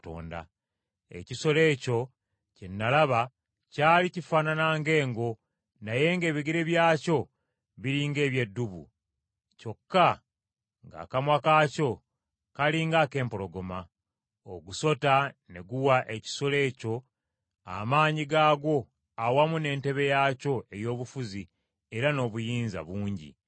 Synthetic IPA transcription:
to̰ːnda̰ | e̞̰ciso̞le̞ːco̞ | cenːalaβa | caːlicifananaːŋɡe̞ːŋɡo̞ | naje̞ŋɡe̞ːβiɡiɾeβjaːco̞ | βiɾiːŋɡe̞ːβje̞dːuβṵ | co̞kːa | ŋɡa̰ːkamwakaːco̞ | kaliːŋɡake̞ːmpo̞lo̞ɡo̞ma | oɡuso̞tane̞ɡuwaʔe̞ci̥sole̞ːco̞ | a̰maːɲiɡaːɡo̞ | awamune̞ːnte̞βe̞jaːco̞e̞jo̞ːβufuzi | e̞ɾano̞ːβujiːnza̰βuːɲɟḭ

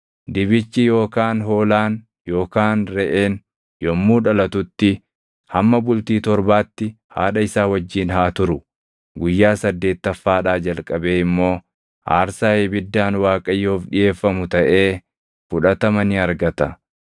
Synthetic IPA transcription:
d̪ɪbɪt͡ʃːɪjo̞ːkaːnɦo̞ːlaːn | jo̞ːkaːnɾɛʔeːn | jɔmːuːᶑɐlɐt̪ʊt̪ːɪ | hɐmːɐbʊlt̪iːt̪ɔɾbaːt̪ːɪ | ha̰ːᶑɐɪsaːwɐd͡ʒːiːnhaːt̪ʊɾʊ | ɡʊjːaːsɐd̪ːe̞ːt̪ːɐfːaːᶑaːd͡ʒɐlkʼɐbe̞ːɪmːo̞ː | ʔa̰ːɾsaːhebɪd̪ːaːnwaːkʼɐjːoːfᶑɪje̞ːfːɐmʊt̪ɐʔe̞ː | fʊᶑɐt̪ɐmɐnɪɐɾɡɐt̪ɐ

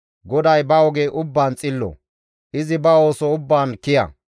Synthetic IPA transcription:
ɡɔd̪ɐjbɐwɔɡeːʔʊbːaːnt͡sʼɪlːɔ̰ | ʔɪzɪbɐo̞ːsɔʊbːaːnkɪjɐ̰

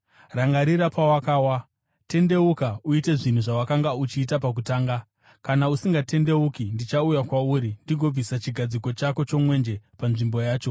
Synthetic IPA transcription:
raŋɡaɾiɾapawakaːwa | te̞nde̞ukauite̞ʐin̤uʐawakaŋɡaut͡ʃiːt̬apak̬utaːŋɡa | kanausiŋɡate̞nde̞ukindit͡ʃaujakwauːɾindiɡʱo̞b͡visat͡ʃiɡʱad͡ziko̞t͡ʃakot͡ʃo̞mwe̞nd͡ʒe̞panʐimbo̞jaːt͡ʃo̞

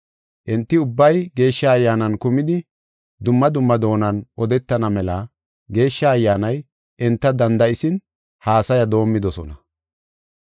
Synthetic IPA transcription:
ʔɛnt̪ːɪʊbːɐjɡe̞ːʃːɐːjːaːnɐnkʊmɪd̪ɪ | d̪ʊmːɐd̪ʊmːɐd̪o̞ːnɐnʔɔd̪ɛt̪ːɐnɐmɛlɐ | ɡe̞ːʃːɐːjːaːnɐj | ʔɛnt̪ːɐd̪ɐnd̪ɐʔɪsɪn | haːsɐjɐd̪o̞ːmːɪd̪ɔsɔ̰nɐ

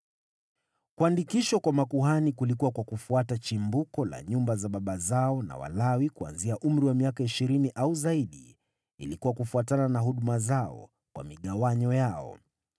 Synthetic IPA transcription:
kuandikiʃɔkwamakuɦanikulikuwakwakufuatat͡ʃimbukɔla̰ɲumbazaɓaɓazaɔna̰wa̰lawikua̰nziaʔum̩ɾiwamiakaiʃiɾiniʔauzaiɗi | ḭlikuwakufuatananaɦuɗumazaɔ̰ | kwa̰miɠawaɲɔjaɔ̰

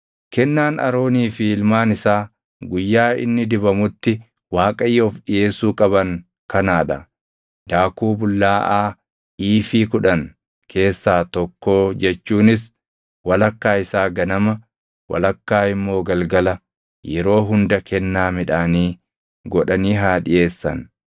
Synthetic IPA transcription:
kɛnːaːnɐ̰ɾo̞ːniːfiːlmaːnɪsaː | ɡʊjːaːɪ̰nːɪd̪ɪbɐmʊt̪ːɪ | waːkʼɐjːɛɔfᶑɪeːsuːkʼɐbɐŋ | kɐnaːᶑɐ | d̪̥aːkuːbʊlːaːʔaː | iːfiːkʊᶑɐn | kʰe̞ːsːaːt̪ɔkːo̞ːd͡ʒɛt͡ʃːuːnɪs | wɐlɐkːaːɪsaːɡɐnɐmɐ | wɐ̰lɐkːaːɪmːo̞ːɡɐlɡɐlɐ | jɛɾo̞ːɦʊnd̪ɐkʰɛnːaːmɪᶑaːniː | ɡɔᶑɐniːɦaːᶑɪjʔeːsːɐ̰n

